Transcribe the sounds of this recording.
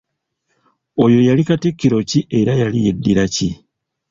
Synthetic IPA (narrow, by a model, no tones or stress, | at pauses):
o̞jo̞jalikatekːiɾo̞ciʔe̞ɾajalije̞dːiɾaci